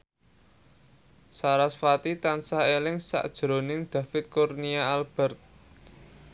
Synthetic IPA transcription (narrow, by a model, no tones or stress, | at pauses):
saɾasfat̪it̪ansaelɪŋsa̰ʔd̥ʒ̥ɾo̤nɪŋd̪̥ä̤fɪt̪̚kurniaalb̥ɛ̤rt̪̚